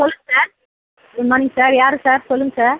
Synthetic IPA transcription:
sɔlːɯŋsaːɾ | ɯmaːnɪŋɡsaːɾjaːɾɯsaːɾsɔlːɯŋɡsaːɾ

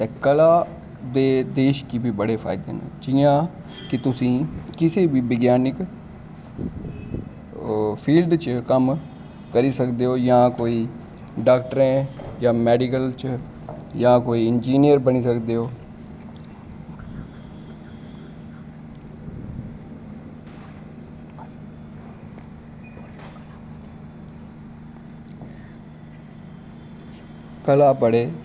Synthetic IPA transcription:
t̪eːkəlaː | d̪eːd̪eːʃkibʱiːbəɽeːpʰa̰ːɪd̪ḛːnḛ̃ːd͡ʒɪjãː | kɪt̪ʊsĩːkɪseːbiːbəɡjaːnɪk | pʰiːlɖt͡ʃkəm | kəɾiːsəkd̪eːoːjãːkoːiː | ɖaːkʈəɾɛ̃ːjãːmɛːɖikəlt͡ʃ | jaãkoːiɪnd͡ʒiːnijəɾbəñisəkd̪eɦoː | kəlapəɽeː

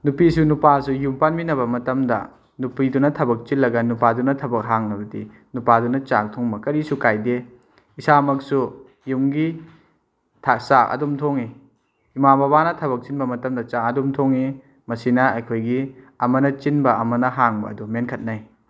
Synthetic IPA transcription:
nupisunupasujumpanbinɐβɐmɐtɐmdɐ̰ | nupidunɐtʰɐbɐk̚t͡ʃilːɐɡɐnupadunɐtʰɐbɐk̚ɦaŋnɐbɐdḭ | nupadunɐt͡ʃak̚tʰoŋbɐkɐɾisukajde | isamɐk̚su | jumɡi | tʰat͡ʃakɐ̰dumtʰoŋi | imabɐβanɐtʰɐβɐk̚t͡ʃinbɐmɐtɐmdɐt͡ʃak̚ɐdumtʰoŋi | mɐsinɐɐjkʰojɡi | ɐmɐnɐt͡ʃinbɐɐmɐnɐɦaŋbɐ̰ɐdumenkʰɐt̚naj

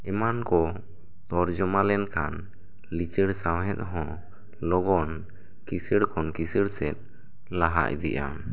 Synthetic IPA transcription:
ɛmankɔ | t̪ɔɾd͡ʒɔmalɛnkʰan | lit͡ʃəɽsawɦɛt̪̚ɦɔ̃ | lɔɡɔn | kisəɽkʰɔnkisəɽsɛt̪̚ | laɦa̰ʔd̪ɛ̰ʔa̰

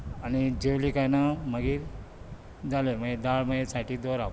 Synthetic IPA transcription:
añid͡ʑeʋlikajnaməɡiːɾ | d͡zaleməɡed̪aɭməɡesaʈiːd̪oɾa

